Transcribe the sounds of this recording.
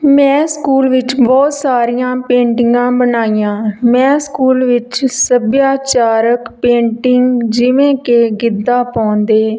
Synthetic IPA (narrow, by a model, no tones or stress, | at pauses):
mɛ̃ːskuːlʋɪt͡ʃbɔːt̪saːɾijãːpẽːɳʈɪŋɡãːbənaːijãːmɛ̃ːskuːlʋɪt͡ʃsəbjaːt͡ʃaːɾəkpẽːɳʈɪŋɡd͡ʒɪʋẽːkeːɡɪd̪ːaːpaːnd̪eː